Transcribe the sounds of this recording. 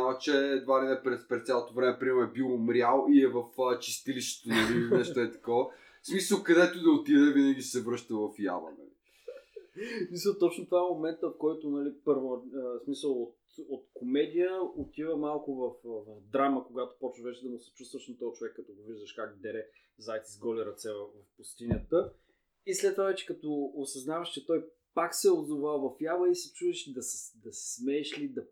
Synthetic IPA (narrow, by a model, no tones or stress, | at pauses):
aɛt͡ʃɛd̪vad̪inɛpɾɛt̪pɾɛt̪sʲalˠot̪ovɾɛmɛpɾiɛmɛbilˠomɾʲalˠiɛvɐfət͡ʃi̥st̪iliʃt̪ɛ̥t̪onɐlinɛʃt̪oɛt̪ɐ̥kɔvə | smisəlˠkɐd̪ɛt̪od̪ɐot̪id̪ɛvinəɡʲisɛvɾɤʃt̪əvɐfja̰və̰nɐ̰li | smisəlˠt̪ɔt͡ʃnʊt̪vaɛmomɛnt̪əot̪kɔjt̪onɐlipɤɾvosmisəlˠot̪ot̪komɛd̪ijəot̪ivəmalˠkʊvɐfvɐvd̪ɾaməkoɡat̪ʊ̥pɔt͡ʃʃvɛt͡ʃɛd̪ɐmʊsɛ̥t͡ʃust̪vɐʃnɐt̪ɔjt͡ʃovɛkːɐt̪ɔɡoviʒd̪əʃkaɡd̪ɛɾɛ | zajt̪sizɡɔlʲiɾɐt̪sɛvɐvɐfpʊst̪inʲət̪ə | islɛt̪ːovavɛt͡ʃɛ̥kɐt̪ɔosɐznavəʃt͡ʃɛt̪ɔj | paksɛozovalˠvɐfjabəisɛ̥t͡ʃuɛʃd̪ɐsɛ̥d̪ɐsɛ̥smɛːʃlid̪ɐ